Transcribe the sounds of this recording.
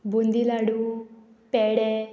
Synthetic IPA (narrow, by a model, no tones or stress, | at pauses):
bund̪ilaɽu | pɛɽe